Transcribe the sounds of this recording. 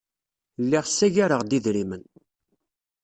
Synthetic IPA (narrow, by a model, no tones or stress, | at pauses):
lːiʁsːæʝaɾəʁd̪iðɾimən